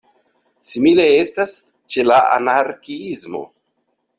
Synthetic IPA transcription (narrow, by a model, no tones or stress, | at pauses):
simile̞e̞stas | t͡ʃe̞laa̰naɾkiizmo̞̰